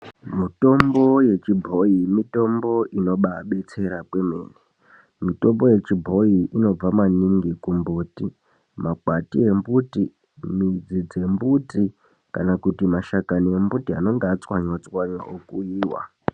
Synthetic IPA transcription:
mito̞mbo̞je̞t͡ʃibʱo̞imito̞mbo̞ʔino̞ɓaɓe̞t͡se̞ɾapwemḛːne | mito̞mbo̞je̞t͡ʃibʱo̞iʔino̞b͡vamaniŋɡikumbuːti | makwatie̞mbuti | mid͡zid͡ze̞mbuti | kanakutimaʃakanie̞mbutiano̞ŋɡeat͡swaɲwat͡swaɲwa̰ʔokuiːwa̰

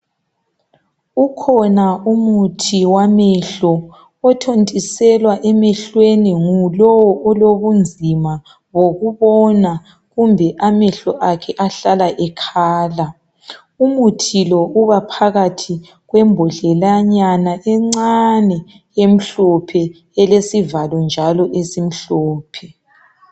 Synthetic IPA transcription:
ukʰɔnaumutʰiwamɛɬɔ | ɔtʰontʼisɛlwaʔɛmɛɬweniŋulɔwɔʔɔloβund͡zʱima | woɣuβɔna | ɣumbʱɛʔamɛɬɔʔakʰɛʔaɬalaʔɛkʰaːla | umutʰilɔʔuβapʰaɣatʰi | ɣwɛmbʱɔɬɛlaɲanaʔɛŋ͡ǀanɛ | jem̩ɬɔpʰɛ | ɛlesivalɔnd͡ʒʱalɔʔesim̩ɬɔːpʰɛ

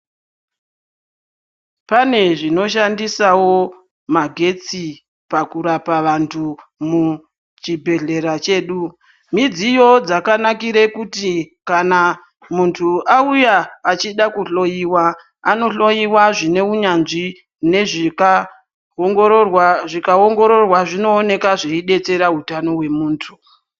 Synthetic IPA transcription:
pane̞ʐino̞ʃandisawo̞ | maɡʱe̞t͡si | pakuɾapaʋantʰumu | t͡ʃibʱe̞ɮe̞ɾat͡ʃe̞ːɗu | mid͡zijo̞d͡zakanakiɾe̞kutikana | muntʰuaujaːt͡ʃiɗakuɬo̞jiwa | ano̞ɬo̞jiwaʐine̞uɲanʐi | ne̞ʐik | ŋɡwaʐikaoŋɡo̞ɾo̞rwaʐino̞ːne̞kaʐeiɗe̞t͡se̞ɾaɦutano̞we̞muːntʰu̥

